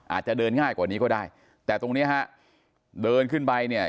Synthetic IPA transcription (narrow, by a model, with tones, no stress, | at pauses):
ʔaː˨˩t̪̚t͡ɕa˨˧˩ɗɤː˧nŋaː˥˩jkwaː˨˩niː˦˥kɔː˥˩daː˥˩j | t̪ɛː˨˩t̪o˧ŋni˦˥ɐɦa˦˥ʔ | ɗɤː˧nkʰɯ˥˩npa˧jni˥˩ə